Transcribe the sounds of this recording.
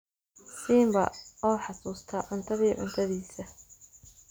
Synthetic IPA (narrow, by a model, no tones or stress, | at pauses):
siːmbɐɔwħɑsuːst̪ʰɐʕʊnt̪ʰɐðiːʕʊ̰nt̪ʰɐðiːsɐ